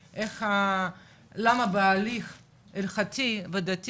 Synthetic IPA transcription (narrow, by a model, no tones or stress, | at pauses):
ʔeχha | lamabealiχ | elχatʰived̪at